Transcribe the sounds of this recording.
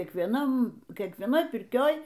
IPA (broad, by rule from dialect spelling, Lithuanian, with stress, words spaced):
kʲiɛkʋʲiɛˈnɐm kʲiɛkʋʲiɛˈnoːj pʲɪrʲˈkʲoːj